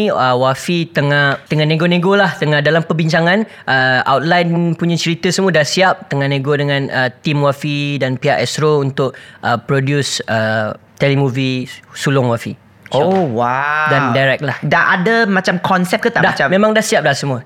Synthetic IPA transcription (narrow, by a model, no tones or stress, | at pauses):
əwafit̪əŋaht̪əŋanẽɡonẽɡolaht̪əŋahdalampəbiɲt͡ʃaŋãn | ʔəa̰wt̪̚lajnpuɲãt͡ʃəɾit̪əsəmũədahsiap̚t̪əŋahnẽɡodəŋãnət̪imwafidanpiaʔɛsɾount̪ʊʔ̚ʔəpɾodjusət̪ɛlimuvisulʊŋwafḭ | owadandajɾɛk̚lahdaʔadamat͡ʃamkʰɔnsɛp̚kət̪adaamẽmãŋdahsiap̚lahsəmuə